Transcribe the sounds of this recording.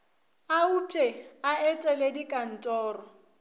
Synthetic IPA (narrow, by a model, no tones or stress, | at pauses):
aupʼɛaɛtʼɛledikʼan̩tʼɔːrɔ